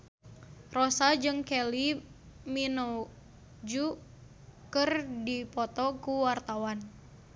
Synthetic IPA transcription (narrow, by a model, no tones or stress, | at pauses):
rosad͡ʒɨŋkeli | mino | d͡ʒu | kɨrdipɔt̪ɔkuwart̪awan